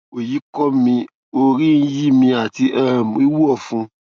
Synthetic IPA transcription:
o˨ji˨˦kɔ˦mĩ˧ | o˧ɾi˦n̩˧˦ji˦˨mĩ˧a˨ti˧ʔɛ˦˨m˨i˦wu˦ɔ˦˨fũ˧

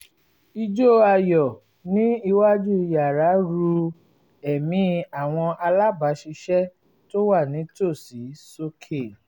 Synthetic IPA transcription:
i˧d͡ʒo˦a˧jɔ˨ | nĩ˦i˧wa˦d͡ʒu˦i˧ja˨ɾa˨˦ɾu˧ | ɛ˨mĩ˧˦a˨w̃ɔ̃˧ʔa˧la˦ba˨˦ʃi˧ʃɛ˦ | to˦wa˦˨nĩ˨˦to˦˨si˨˦so˦kʰe˦˨

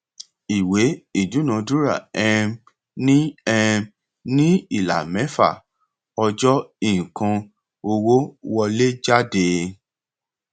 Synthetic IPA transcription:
i˨we˨˦i˦˨du˨˦nã˧du˦ɾa˦˨ɛ̃˧ | nĩ˦ɛ˧ | nĩ˦i˦˨la̰˨mɛ̃˨˦fa̰˦˨ | ɔ˧d͡ʒɔ˦ĩ˨kã˧ | o˧wo˦wɔ˧le˦d͡ʒa˦de˧

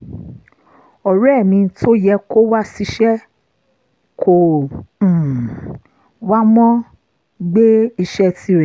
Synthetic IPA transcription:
ɔ˨ɾmĩ˧˦tʰo˦jɛ˧ko˦wa˦si˧ʃɛ˦ | kʰõ˨ | wa˦mɔ̃˦ | ɡ͡be˦i˧ʃɛ˧ti˧˦ɾɛ̃˨

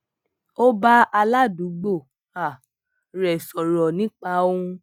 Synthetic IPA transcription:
o˦ba˦a˧la˦˨du˨˦ɡ͡bo˦˨ | a˨ | ɾɛ˨sɔ˨ɾɔ˨nĩ˨˦k͡pa˧˦o˦ũ˧

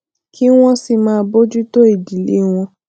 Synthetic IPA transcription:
kʰi˦w̃ɔ̃˦si˧mãː˧˦bo˦d͡ʒu˦to˦i˦˨di˨le˨˦w̃ɔ̃˧

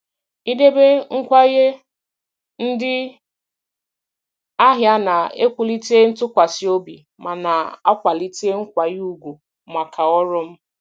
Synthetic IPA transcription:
i˦de˦be˦ŋ̩˦kʷa˦i˦ɦe˦ | n̩˦dɪ˦ | a˦ɦja˦na˨e˦kʷu˦li˦te˦n̩˦tʊ˦kʷa˨sɪ˨o˦bi˨ | ma˨na˨a˦kʷa˨li˦te˦ŋ̩˦kʷa˨ju˨ɡʷu˨ | ma˨kʰa˨ɔ˦ɾʊ˦m̩˦

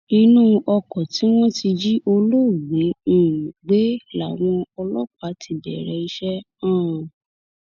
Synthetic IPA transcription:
i˧nũ˦ʔɔ˧kɔ˨tĩ˨˦w̃ɔ̃˦ti˧d͡ʒi˦ʔo˧lo˦˨ɡ͡bẽ˨˦˨ɡ͡be˨˦la˨w̃ɔ̃˧ɔ˧lɔ˦k͡pa˨˦tʰi˦˨bɛ̰˨ɾɛ˧i˧ʃɛ˦ | ã˦˨

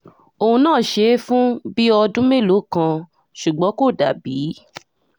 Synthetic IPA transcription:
o˧ũ˧nãː˦˨ʃe˨˧˦fũ˦bi˦ɔ˧dũ˦me˦˨lo˨˦˨kã˧ | ʃu˨ɡ͡bɔ̃˨˦ko˦˨da̰˨biː˨˦

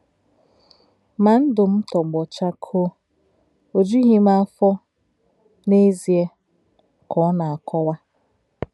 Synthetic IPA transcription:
ma˨n̩˦dʊ˨m̩˦tɔ˨ɡ͡bɔ˨t͡ʃa˦kʰo˦ | o˨d͡ʒu˦ɦi˦ma˨˦fɔ˦ | ne˦zi˨e˦ | kʰɔ˨˦na˨a˨kɔ˦wa˦

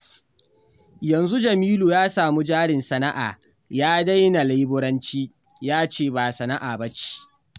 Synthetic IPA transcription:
jɐ˨nzu˦d͡ʒɐ˨miː˦luː˨jaː˦saː˨mu˦d͡ʒaː˦ɽɪ˨nsɐ˨na˦ʔa̰ː˨ | jaː˦da˦jna˨la˦jbʊ˦ɽɐ˦nt͡ʃiː˦ | jaː˦t͡ʃeː˦˨baː˨sɐ˨na˦ʔaː˨bɐ˦t͡ʃi̥˦

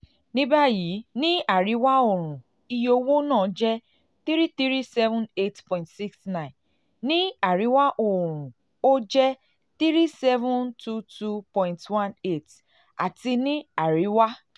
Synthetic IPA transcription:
nĩ˦ba˦ji˨˦nĩ˦a˨ɾi˨˦wa˦o˨ɾ̃ũ˨ | i˦jo˦wo˦nɔ̃ː˦˨˦d͡ʒɛ˦ | θi˦ɾi˦θi˦ɾi˦sɛ˦vʊ̃˦ne˦tpɔ̃˨ɪ̃˨ntsi˦ksnã˦˨ɪ̃˨n | nĩ˦a˨ɾi˦wa˦ʔo˨ɾ̃ũ˨ | o˦d͡ʒɛ˦ | θi˦ɾi˦sɛ˦vʊ̃˦ntu˦tu˦pɔ̃˨j̃ntwã˦ne˦˨t | a̰˨ti˧nĩ˦a˨ɾi˨˦wa˦

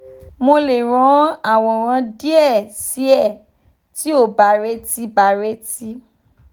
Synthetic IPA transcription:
mo˧le˨ɾ̃ɔ̃˨˦a˦˨w̃ɔ̃˨ɾ̃ã˧di˦ɛ˦˨si˨˦ɛ˦˨ | ti˨˦o˦˨ba˨ɾe˧˦ti˧˦ba˨ɾe˧˦ti˦

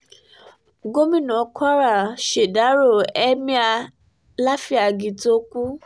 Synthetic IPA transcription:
ɡo˦mĩ˦˨nɔ̃˨˦kwa˦ɾa˨ʃe˨da˨˦ɾo˦˨ɛ˦mĩ˦a˧ | la˦fi˦a˨ɡĩ˨to˦kʷu˦

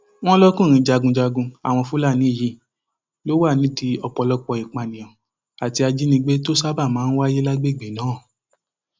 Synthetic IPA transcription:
w̃ɔ̃˦lɔ˦kũ˦˨ɾ̃ĩ˧d͡ʒa˧ɡũ˧d͡ʒa˧ɡũ˧a̰˨w̃ɔ̃˧fũ˦la˦˨nĩ˨˦i˦˨ji˦ | lo˦wa˦˨nĩ˨˦di˧ɔ˧k͡pɔ˧lɔ˧k͡pɔ˧i˨k͡pa˨nĩ˨jɔ̃˨ | a˨ti˧a˧d͡ʒi˦nĩ˧ɡ͡be˦to˦sa˦ba˦˨mãː˦n̩˦wa˦je˦la˦ɡ͡be˦˨ɡ͡bi˨nãː˨˦˨

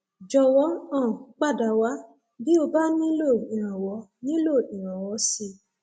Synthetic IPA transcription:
d͡ʒɔ˧wɔ˨˦ɔ̃˦˨k͡pa˦˨da˨wa˦ | bi˦o˧ba˦nĩ˦lo˦˨i˨ɾ̃ã˨wɔ˨˦nĩ˦lo˦˨i˨ɾ̃ã˨wɔ˨˧˦si˧˨

